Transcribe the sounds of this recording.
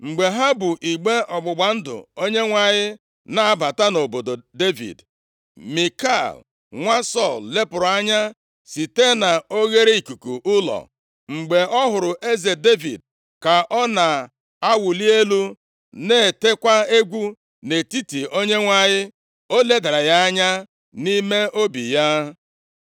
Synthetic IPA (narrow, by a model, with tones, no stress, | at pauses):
ŋ͡m̩˨ɡ͡be˨ɦa˦bʊ˨ʔi˨ɡ͡be˦ʔɔ˨ɡ͡bʊ˨ɡ͡ba˨n̩˦dʊ̰˨o˦ɲe˦ŋʷa˨ɲɪ˦ | na˨a˦˨ba˨ta˦no˨bo˨do˨de˦vḭ˨d | mi˨ka˦˨l | ŋʷa˦sɔ˦˨lle˦pʊ˨ɾa˦ɲa˦ | si˨te˦na˨o˦ɣe˦ɾe˦i˨ku˨ku˨ʔʊ˦lɔ̰˨ | ŋ͡m̩˨ɡ͡be˨ʔɔ˦ɦʊ˨ɾʊ˨ʔe˦ze˨de˦vḭ˨d̚ | ka˨ʔɔ˦na˨ | a˦wʊ˨li˦e˦lu˦ | ne˦˨te˦kʷa˦e˦ɡʷu˦ | ne˨ti˦ti˨o˦ɲe˦ŋʷa˦ɲɪ˦ | o˦le˦da˨ɾa˨ja˦a˦ɲa˦ | ni˦me˦o˦bḭ˨ja˦